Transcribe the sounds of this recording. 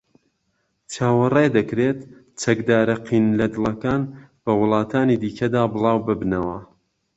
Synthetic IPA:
t͡ʃaːwɐrˤejd̪ɐkɾet̪ | t͡ʃɐkd̪aːɾɐqʰiːnlɐd̪ɨlˠɐkaːnb̥ɐwɨlˠɑːt̪ʰaːniːd̪iːkʰɐd̪aːbɨlˠɑːwbɨbnɐwɐ

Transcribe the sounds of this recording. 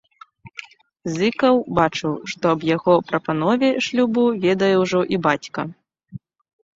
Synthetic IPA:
zɨkɐwbat͡ʂɨwʂt̪ɔɐbjaɣɔpɾɐpan̪ɔvʲɛʂlʲubuvʲɛd̪ɐjɛwʐɔʔibat͡sʲkɐ

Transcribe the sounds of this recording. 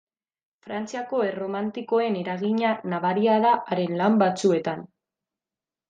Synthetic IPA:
fɾant͡siako̞ero̞mant̪iko̞e̞ne̞ɾaɣiɲanaβaɾiaðaʔːɾe̞nlambat͡sue̞t̪an

